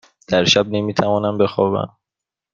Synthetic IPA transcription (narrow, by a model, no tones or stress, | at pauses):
d̪̥æɾʃæb̚ne̞miːt̪ʰævɒːnæmbe̞xɒːbæ̰n